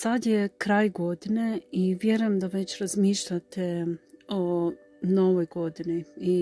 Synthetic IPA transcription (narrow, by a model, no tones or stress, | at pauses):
sad̪jekɾaːjɡo̞d̪ineiʋjeɾujemd̪aʋet͡ɕɾazmiːʃʎat̪eo | no̞ʋojɡo̞d̪inii